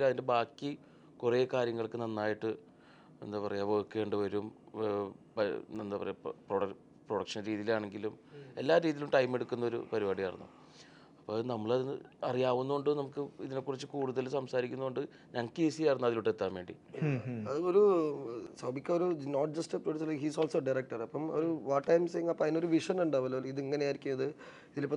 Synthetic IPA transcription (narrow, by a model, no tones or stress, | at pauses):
ɐðinde̞baːkːi | kureːkaːɾjɐŋːɐɭkɨnɐnːaːjiʈːɨ | ḛnːɨpɐrɐjaːʋokːeɳɖɨʋɐɾum | ɐnːapɐ̰rɐ̰jproɽɐ | proɽɐkʂɐnɾiːðijilaːɳe̞ŋɡilume̞lːaːɾiːðilumʈɐjme̞ɽukːunːɐo̞ɾṵpɐɾibaːɽijaːrɐ̰nːṵ | ɐpːonɐmːɐɭɐðinːɨ̰ɐrijaːʋunːuuɳɖɨnɐmukːɨiðinekːurit͡ɕːɨkuːɽuðɐlsɐmsaːɾikʲːunːɐuɳɖɨ | ɲɐŋɐkːɨesiaɐrɐnːɐðiluʈːet̪ːaːmʋeːɳɖḭ | aɐðɨo̞ɾu | sɐbikʲːɐoɾunoːʈ̚d͡ʑɐsʈɨproɖiuːslɐkhiːsoːlsoːɖɐjrek̚ʈɐrɐpːɐmoɾuʋaʈʈːɐjmseŋɐpːɐðinoɾuʋiʂɐnuɳɖaːʋɐlːoiðiŋːɐnejaːjɾikʲːumɐðɨ | iðilipːɐ